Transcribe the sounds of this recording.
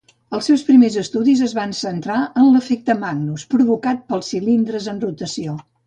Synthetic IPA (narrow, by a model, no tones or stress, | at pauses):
əlˠsɛwspɾimezəst̪uðizəzβansənt̪ɾaənləfek̚t̪əmaɡnuspɾuβukat̪̚pəlˠsilind̪ɾəzənrut̪əsio